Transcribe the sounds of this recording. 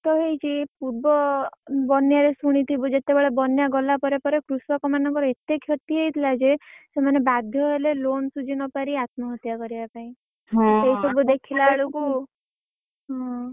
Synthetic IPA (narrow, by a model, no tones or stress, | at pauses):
t̪ɔɦejt͡ʃʰipuɾbɔbɔnjaɾesuɽ̃it̪ʰibud͡ʒet̪ebeɭɔbɔnjaɡɔlapɔɾepɔɾekɾusɔkɔmanɔŋkɔɾɔet̪ekʰjɔt̪iɦejt̪ʰilad͡ʒesemanebad̪ʱjɔɦelelonsud͡ʒinɔpaɾiat̪mɔɦɔt̪jakɔɾibapaĩ | ɦseisɔbud̪ekʰilaɭoku | ɦɔ̃